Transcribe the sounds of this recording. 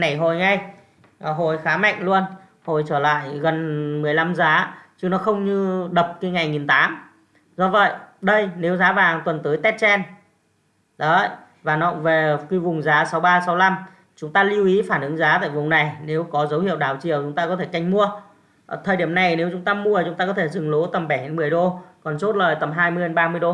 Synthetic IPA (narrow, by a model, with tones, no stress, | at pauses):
na˨˧˩jɦo˨˩jŋa˨˧˩j | ɦo˨˩jxaː˨˦ma̰˧˨ŋ̟lu˧ən | ho˨˩jt͡ɕəː˧˩la̰ː˧˨jɣə˨˩nmɨ˨˩əjla˧mzaː˨˦t͡ɕɨ˧ŋnɔ˨˦xə˧wŋ͡mɲɨ˧ɗə˨˩p̚ki˨˦ŋa˨˩jŋi˨˩nt̪aː˨˦m | zɔ˧˩və̰˧˨jɗə˧jne˨˦wzaː˨˦vaː˨˩ŋt̪wə˨˩nt̪ɨː˨˦jt̪ɛ˦˥t̚t͡ɕɛ˧n | zɔ˨˦ə̰˧˨j | vaː˨˩nɔ̰˧˨ve˨˩ki˧˦vʊ˨˩ŋ͡mzaː˨˦sa˨˦wɓaː˧sa˨˦wla˧m | t͡ɕʊ˨˦ŋ͡mt̪aː˧li˧wʔi˨˦faː˧˩nʔɨ˨˦ŋzaː˨˦t̪a̰ː˧˨jvʊ˨˩ŋ͡mna˨˩jne˨˦wkɔ˨˦zə˨˦whḭ˧˨əwɗaː˨˩wt͡ɕḭ˨˩əwt͡ɕʊ˨˦ŋ͡mt̪aː˧kɔ˨˦t̪ʰe˧˩ka˧˩jŋ̟mu˧ə˨˩ | t̪ʰəː˨˩ɗi˧˩əmna˨˩jne˨˦wt͡ɕʊ˨˦ŋ͡mt̪aː˧mu˧ət͡ɕʊ˨˦ŋ͡mt̪aː˧kɔ˨˦t̪ʰe˧˩zɨ˨˩ŋlo˨˦t̪ə˨˩mɓɛ˧˩he˨˦nmɨ˨˩əjɗo˧kɔ˨˩nt͡ɕo˦˥t̚ləː˨˩jt̪ə˨˩mɦaː˧jmɨ˧əjə˧ɓaː˧mɨ˧əjɗo˧